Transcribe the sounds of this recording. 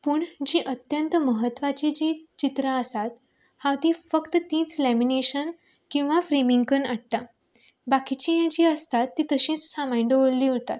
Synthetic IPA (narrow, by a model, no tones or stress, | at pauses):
puːɳd͡ʑiːʔət̪jənt̪əməɦət̪ːʋat͡ɕid͡ʑit͡ɕit̪ɾaəsat̪ | hãwt̪ifəkt̪ət̪ĩːt͡slæmineɕən | kĩw̃ʋafɾemiŋɡkənəɽʈ̪a | bakit͡ɕijad͡ʑiːəst̪at̪ːit̪əɕĩt͡ssamajɳɖəʋolliːɦt̪at̪